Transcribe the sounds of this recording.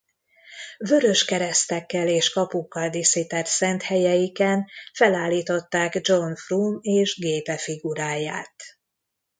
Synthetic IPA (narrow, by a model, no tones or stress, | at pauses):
vø̞ɾø̞ʃkɛɾɛst̪ɛkːɛleːʃkɒpukːɒld̪isit̪ɛrsɛnt̪hɛjɛjikɛnfɛlaːlːiːt̪o̞t̪ːaːɡd͡ʒo̞nfruːmeːʒɡeːpɛfiɡuɾaːjaːt̪